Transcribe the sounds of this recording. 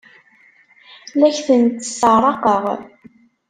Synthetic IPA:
læçθənt̪ːə̥sərɾˤɑqəʁ

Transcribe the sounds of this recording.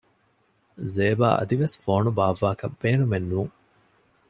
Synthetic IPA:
zeːba̰ːʔɐ̰d̪iʋesfoːnubaːʋːaːkɐbːeːnumenːuːŋ

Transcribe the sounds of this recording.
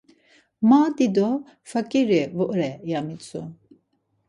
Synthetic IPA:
mad̪id̪ɔ | fakʼiɾivuʔɾɛjamit͡sʼu

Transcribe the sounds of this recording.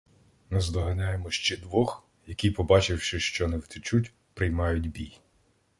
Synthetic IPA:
nɛzd̪ɔɦɐnʲajemɔʃt͡ʃɛd̪ʋɔx | jɐkʲipɔbɑt͡ʃɪwʃɪʃt͡ʃɔnɛwt̪ɪt͡ʃutʲ | pɾɪjmɑjʊdʲbʲij

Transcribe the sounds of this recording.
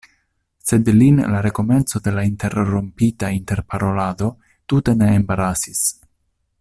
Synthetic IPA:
se̞d̪linlaɾe̞ko̞me̞nt͡so̞d̪e̞lainte̞ɾɾompitainte̞ɾpaɾo̞lad̪o̞ | t̪ute̞neːmbaɾasis

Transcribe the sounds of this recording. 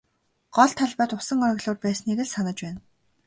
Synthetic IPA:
ɢ̥ɔɮt̪ʰːaɮpaːt̪ʊsə̆ŋɔɾ̆ɣɮʊːrpæːsniːɾɘ̆ɮsanə̆t͡ɕpæːn

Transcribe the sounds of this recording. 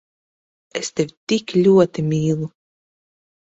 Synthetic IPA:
est̪ewʲt̪iklʲuɔt̪imʲiːlˠu

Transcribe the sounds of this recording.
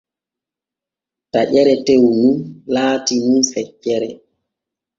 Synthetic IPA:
taʔɛɾɛtewnunlaːtimunsɛcːɛɾɛ

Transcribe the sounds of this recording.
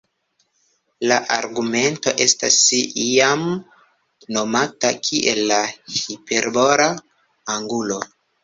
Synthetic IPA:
laʔaɾɡume̞nto̞ʔe̞stasijam | no̞matakʰiʔelːahipe̞ɾbo̞ɾaː | ŋɡulo̞

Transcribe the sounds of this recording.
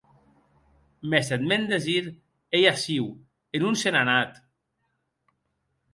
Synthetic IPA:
meset̪mend̪eziɾ | ejasiw | enunsenanat̪

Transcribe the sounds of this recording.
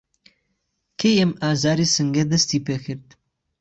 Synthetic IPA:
kʰejɛmaːzaːɾiːsɨŋɡɛd̪ɐst̪iːpekʰɨɾd̪̚

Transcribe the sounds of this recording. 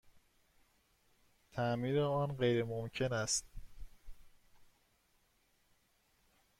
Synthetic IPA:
t̪ʰæmiːɾeɒːnɢejɾemomcʰe̞næst̪̚

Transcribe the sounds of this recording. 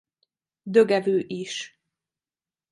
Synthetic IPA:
d̪øɡɛvøːʔiʃ

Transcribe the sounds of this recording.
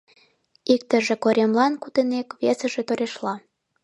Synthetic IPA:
ik̚t̪ə̆ʒĕkoɾʲemlɑnkut̪enekβesə̆ʒĕt̪oɾʲeʃlɑ

